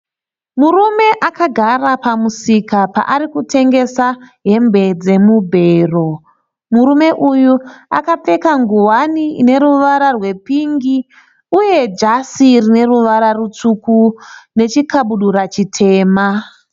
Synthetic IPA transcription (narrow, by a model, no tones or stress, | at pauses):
murume̞ʔakaɡʱarapamusikapa̰ʔaɾikute̞ŋɡe̞saɦe̞mbe̞d͡ze̞mubʱe̞ːro̞ | muɾume̞ʔujua̰kap͡fe̞kaŋɡuwaniine̞ɾuʋaɾarwe̞piŋɡi | uje̞d͡ʒasirine̞ruʋaɾarut͡sukune̞t͡ʃikaɓuɗuɾat͡ʃitʰe̞ːma